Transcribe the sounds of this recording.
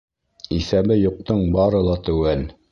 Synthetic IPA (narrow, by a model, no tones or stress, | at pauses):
isæbɘjuq̚t̪ɤɴbɑɾɤ̆lˠɑt̪æwæl